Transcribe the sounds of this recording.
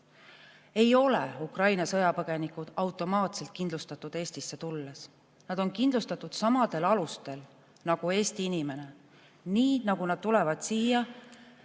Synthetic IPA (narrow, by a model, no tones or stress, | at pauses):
e̞jo̞lḛukrɑjnɑsɤjɑpɤɡ̥e̞nikud̪̥ɑwt̪ːˑo̞mɑːt̪se̞lt̪̚kind̪lust̪ɑt̪ːˑud̪̥e̞ːst̪isːe̞t̪ulːes | nɑd̪̥o̞nkind̪lust̪ɑt̪ːˑud̪̥sɑmɑd̪e̞lɑlust̪e̞l | nɑɡ̥ue̞ːst̪iinime̞ne | niːnɑɡ̥unɑd̪̥t̪ule̞vɑd̪̥siːjɑ